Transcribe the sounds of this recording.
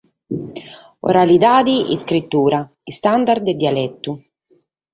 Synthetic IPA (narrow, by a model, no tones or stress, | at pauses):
o̰ɾalid̪aːd̪iḭskɾit̪ːuːɾa | ist̪and̪ard̪d̪ed̪ialɛt̪ːu